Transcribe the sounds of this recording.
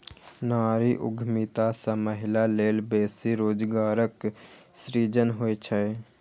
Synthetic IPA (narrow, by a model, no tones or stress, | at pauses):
naːɾiʔʊ̰ɡʱmit̪asãməɦɪlaleːlbeːsiɾoːd͡ʒɡaːɾəksɾiːd͡ʒənɦojt͡ʃʰə